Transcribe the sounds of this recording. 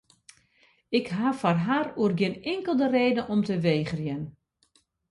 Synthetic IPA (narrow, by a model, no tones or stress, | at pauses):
ɪkɦaːfarɦaːruərɡjɪnɪŋkəlˠdəreːdənʔɔmtəʋeːɣərjən